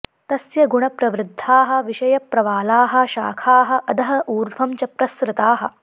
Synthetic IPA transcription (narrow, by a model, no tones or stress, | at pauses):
t̪ɐsjɐɡuɳɐpɾɐʋɾɪd̪ʱːaːɦɐ̆ʋiʃɐjɐpɾɐʋaːlaːɦɐ̆ʃaːkʰaːɦɐ̆ʔɐd̪ɐɦɐʔuːɾʋʱɐmt͡ʃɐpɾɐsɾɪt̪aːɦɐ̆